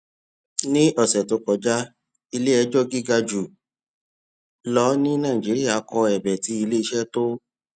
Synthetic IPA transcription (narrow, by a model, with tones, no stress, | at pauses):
nĩ˦ɔ˨sɛ˨to˨˧˦kɔ˨d͡ʒa˦ | i˧le˦ɛ˧˦d͡ʒɔ˦ɡi˦ɡa˧d͡ʒu˨ | lɔ˦nĩ˦nãː˦˨i˨d͡ʒi˨˦ɾi˦a˦˨˦kɔ˧ɛ˨bɛ˨ti˨˦i˧le˦i˧ʃɛ˦to˦